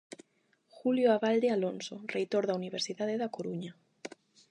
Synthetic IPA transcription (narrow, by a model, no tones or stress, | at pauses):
xuljoaβald̪ealonsorejt̪oɾðauniβ̞eɾsiðaðeðakoɾuɲa